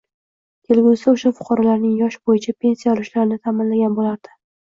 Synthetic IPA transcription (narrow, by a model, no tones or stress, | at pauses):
kʲʰe̞lɡʲuɪsaʊʃafʊ̥qʰɑɾɒlaɾnɪŋjɒʃbojɪt͡ʃʰapʰʲe̞nsijaɒlɪʃlaɾɪnɪt̪ʰamɪnlaɡʲanbolaɾd̪̥ɪ̥